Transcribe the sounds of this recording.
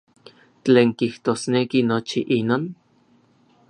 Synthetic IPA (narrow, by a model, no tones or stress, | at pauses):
t͡ɬeːŋkiht̪oːsnekinot͡ʃiʔinoːn